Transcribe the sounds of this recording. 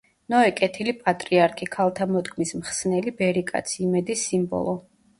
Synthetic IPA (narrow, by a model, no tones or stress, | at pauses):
nɔɛkʼɛt̪ʰilipʼat̪ʼɾiaɾkʰikʰalˠt̪ʰamɔd̪ɡʰmismχsnɛlibɛɾikʼa̰t̪sʰiːmɛd̪isimbɔ̰lˠɔ